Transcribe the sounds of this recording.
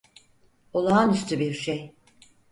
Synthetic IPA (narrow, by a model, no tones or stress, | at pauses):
olˠaanyst̪ʰybiɾʃej